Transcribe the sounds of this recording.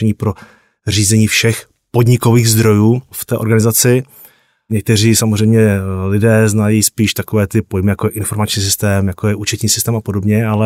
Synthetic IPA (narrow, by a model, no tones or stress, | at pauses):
ɛɲiːpɾo̞ | r̝iːzɛɲiːfʃɛx | po̞dɲɪko̞viːɣzd̪ɾo̞juːft̪ɛːʔo̞ɾɡanɪzat͡sɪ | ɲɛk̚t̪ɛr̝iːsamozrɛjmɲɛlɪdɛːznajispiːʃt̪ako̞vɛːt̪ɪpo̞jmɪjakojɛʔɪnfo̞ɾmat͡ʃɲiːs̬ɪ̥st̪ɛːmjakojɛʔut͡ʃɛt̪ɲiːsɪst̪ɛːmapo̞do̞bɲɛalɛ